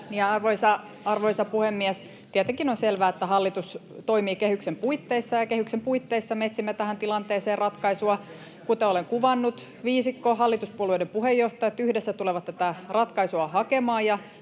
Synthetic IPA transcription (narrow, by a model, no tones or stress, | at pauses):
niɑrʋoisɑ | ɑrʋoisɑpuhemːiɛs | t̪iæt̪eŋkinonselʋæːet̪ːæhɑlːit̪ust̪oimiːkehyksempuit̪ːeisːɑjɑkehyksempuit̪ːeisːɑmet̪simːæt̪æhænt̪ilɑnt̪eːseːrɑt̪kɑisuɑ | kut̪eoleŋkuʋɑnːut̪ | ʋiːsikːohɑlːit̪uspuolueidempuhejːoht̪ɑjɑt̪ːyhdesːæt̪uleʋɑt̪t̪æt̪ærɑt̪kɑisuɑhɑkemɑːjɑ